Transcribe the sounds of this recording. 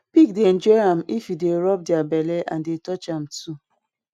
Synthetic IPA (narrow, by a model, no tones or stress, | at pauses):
pik̚den̩d͡ʒɔam̩ʔifideɾɔp̚dɪabeleʔã̰ndetɔt͡ʃam̩tu